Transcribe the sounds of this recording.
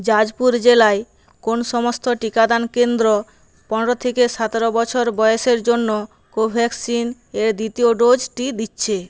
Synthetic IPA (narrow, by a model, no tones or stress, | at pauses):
d͡ʑad͡ʑpuɾd͡ʑelae | konʃɔmost̪oʈikad̪ankend̪ɾo | pɔneɾot̪ʰekeʃat̪aɾobɔt͡ɕʰoɾbɔjoʃeɾd͡ʑonːo | kobʱɛksin | eɾd̪it̪ioɖod͡ʑʈid̪itːɕʰe